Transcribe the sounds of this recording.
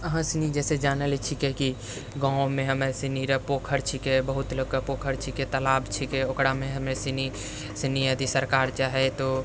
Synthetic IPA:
əɦãsinid͡ʒɛːsed͡ʒaːnəlit͡ʃʰikɛki | ɡãːmẽɦəmesiniɾəpoːkʰəɾt͡ʃʰikebəɦut̪lokapoːkʰəɾt͡ʃʰiket̪əlaːbt͡ʃʰikɛokɽamẽɦəmesini | sinijəd̪isəɾkaːɾt͡ʃaːɦet̪o

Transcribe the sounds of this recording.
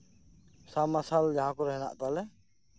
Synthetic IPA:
samasald͡ʒaɦãkɔɾɔɦɛna̰ʔt̪alɛ

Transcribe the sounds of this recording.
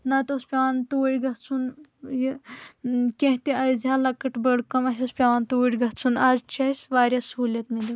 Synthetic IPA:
nɐt̪ospʲaʋant̪oːɽʲɡɐtt͡sʰunji | kʲẽɦt̪iɐjzjalɐkɐʈbɐɽkɐmɐsʲɐspʲaʋant̪uːɽʲɡɐt͡sʰunaːzt͡ʃʰɐsʋaːɾʲjɐsɦuːlʲjɐt̪mili

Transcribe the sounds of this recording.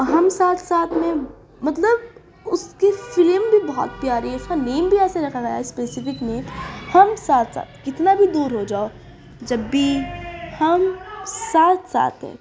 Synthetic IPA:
ɦɐmsaːt̪ʰsaːt̪ʰmẽ | mɐt̪ləb | ʊskefɪlmbʱibɔɦɔ̰t̪̚pjaːɾɛ̃ʊskaneːmbʱiɛːseɾɐkʰaɡaːja̰ɪspeːsɪfɪknẽhɐmsaːt̪ʰsa̰ːt̪ʰkɪt̪nabʱid̪uːɾɦod͡ʒaːo | d͡ʒɐbːihɐmsaːt̪ʰsa̰ːt̪ɦɛ̰̃ː

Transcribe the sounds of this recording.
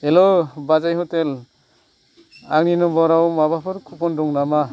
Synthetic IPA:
elɔbazajɦɔtel | aŋninɔbɔɾawmabapʰɯɾkʰupɔndɔŋnama

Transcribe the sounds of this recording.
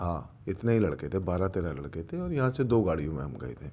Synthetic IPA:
ɦãː | ɪt̪neɦilɐɽket̪ʰebaːɾat̪eːɾalɐɽket̪ʰeɔːɾjɐɦãsed̪oːɡaːɽ̤ijõmḛ̃ɦɐmɡa̰ːḛt̪ʰeː

